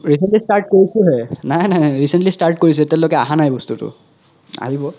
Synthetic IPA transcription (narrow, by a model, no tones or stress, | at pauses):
ɹisentlistaɹʈ̚koɹisʊɦɛnajnajnaɹisentlistaɹʈ̚koɹis̬ʊɛtɛʊ̃lokɛa̰ɦanajbɔstutʊ̰ | a̰ɦibɔ